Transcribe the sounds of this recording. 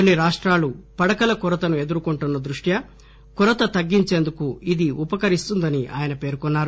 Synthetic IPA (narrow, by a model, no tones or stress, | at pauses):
onːiɾaːʂʈɾaːlupɐɽɐkɐlɐkuɾɐt̪ɐnue̞d̪uɾukoɳʈunːɐd̪ɾuʂʈjɐ | kuɾɐt̪ɐt̪ɐɡːiɲt͡ʃeːnd̪ukuid̪iʔupɐkɐɾist̪und̪ɐniʔa̰ːjɐnɐpe̞ːɾkɔnːaːɾu